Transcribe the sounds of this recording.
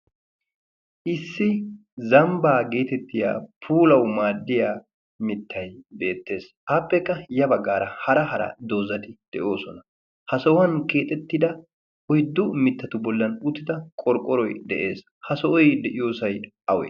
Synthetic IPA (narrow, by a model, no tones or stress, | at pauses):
ʔɪsːɪ | zɐmbaːɡe̞ːt̪ɛt̪ːɪja̰ːpʰuːlɐwmaːd̪ːɪjaː | mɪt̪ːɐjbe̞ːt̪ːe̞ːs | aːpːɛkːɐjɐbɐɡːaːɾɐhɐɾɐɦɐɾɐ̰d̪o̞ːzɐt̪ɪd̪̥ɛʔo̞ːsɔnɐ | hɐsɔwɐnkeːt̪ʼɛt̪ːɪd̪ɐ | ɔjd̪ːʊmɪt̪ːɐt̪ʊbɔlːɐnʊt̪ːɪd̪ɐkʼɔɾkʼːɔɾɔjd̪ɛʔe̞ːs | hɐsɔʔɔjd̪ɛʔɪjo̞ːsɐjʔɐwḛː